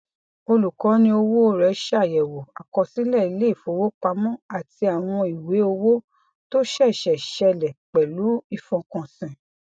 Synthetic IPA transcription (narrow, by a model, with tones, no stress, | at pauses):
o˧lu˨kɔ̃˨˦nĩ˧˦o˧wo˦ɾɛ˨˦ʃa˦˨jɛ˨wo˨a˨kɔ˧sĩ˨˦lɛ˦˨i˦˧le˦i˦˨fo˨˦wo˦k͡pa˧mɔ̃˦a˨ti˧a˨w̃ɔ̃˧i˨we˨˦o˧wo˦ | to˦ʃɛ˦˨ʃɛ˨ʃɛ˧lɛ˨k͡pɛ˨lu˨˦i˧fɔ̃˧kɔ̃˨sĩ˨